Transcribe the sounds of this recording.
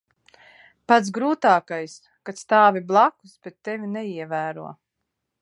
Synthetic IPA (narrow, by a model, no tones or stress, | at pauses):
pat̪sɡɾuːt̪aːkajs | kat̪st̪aːvʲiblˠaku̥sbet̪ːevʲinɛiɛvæːɾuɔ